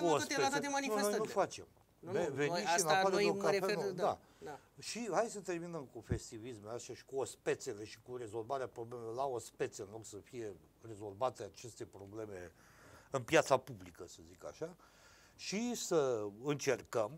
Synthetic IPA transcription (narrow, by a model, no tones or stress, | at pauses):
kuoset̪emanifneojnufat͡ʃe̞̰m | eveiʃinafaɾeokafeod̪a | a | ʃihajsət̪e̞rminəmkufe̞st̪ivismeast̪aʃi̥kuospe̞t̪se̞le̞ʃi̥kure̞zo̞lvaɾeapɾoblemelolaospe̞t̪seɨnlo̞ɡsəfije̞ | re̞zo̞lvat̪eat͡ʃe̞st̪e̞pɾo̞ble̞me̞ | ɨnpjat̪sapublikəsəzika̰ʃa | ʃisəɨnt͡ʃe̞rkəm